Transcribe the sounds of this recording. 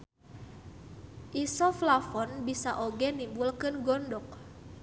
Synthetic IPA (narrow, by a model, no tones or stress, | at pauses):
ʔisɔflafɔnbisaʔoɡɛnimbulkɨnɡɔndɔk̚